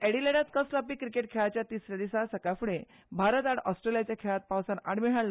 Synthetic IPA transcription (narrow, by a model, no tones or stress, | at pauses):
ɛɽileɽat̪kəslapiːkɾikeʈ̚kʰeɭat͡ɕjat̪isɾad̪isasəkafuɽẽ | bʱaɾət̪aɽɔsʈɾelijat͡ɕjakʰeɭat̪̚pawsanaɽ̃miɽ̤ɦaɭlə